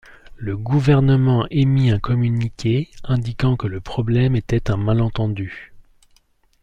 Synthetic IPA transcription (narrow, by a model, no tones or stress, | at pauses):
ləɡuvɛʁnəmɑ̃ʔemiɛ̃kɔmynikʲʰeɛ̃d̪ikɑ̃kələpχɔblɛmet̪ɛt̪ɛ̃malɑ̃t̪ɑ̃d̪y